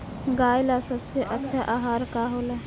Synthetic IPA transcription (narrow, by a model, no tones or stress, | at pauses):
ɡaːjlasəbseʔətːʃʰaʔaːɦaːɾkaɦoːlaː